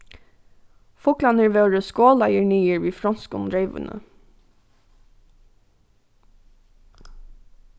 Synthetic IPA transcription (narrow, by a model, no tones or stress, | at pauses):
fʊklɑnəɹʋeːɹəskoːlɑjəɹɳiːəɹʋiːfɾɔnskʊnɾeɪʋə̰nə̰